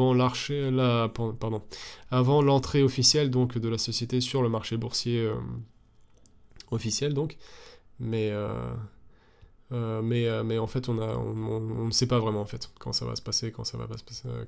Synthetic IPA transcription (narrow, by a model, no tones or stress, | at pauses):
ɑ̃laʁʃelapãpaʁd̪ɔ̃avɑ̃lɑ̃t̪χeɔfisjɛld̪ɔ̃kd̪əlasɔsjet̪esyʁləmaʁʃebuʁsjeø | ɔfisjɛld̪ɔ̃k | mɛø̰ | ømɛømɛɑ̃fɛt̪ɔ̃naɔ̰̃ɔ̃ɔ̃nəsɛpavʁɛmɑ̃ɑ̃fɛt̪kɑ̰̃sa̰va̰sə̥pasekɑ̰̃sava̰pasə̥pase